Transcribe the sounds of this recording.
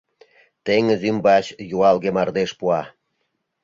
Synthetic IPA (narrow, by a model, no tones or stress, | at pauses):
t̪eŋəzymbɑt͡ɕjuɑlɣemɑrd̪eʃpuɑ